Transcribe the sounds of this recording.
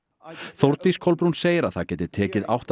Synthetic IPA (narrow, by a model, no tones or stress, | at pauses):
θowɾt̪iskʰowlpɾunseːjɪɾaðθawcɛːt̪ɪt̪ʰɛːcɪða̰wht̪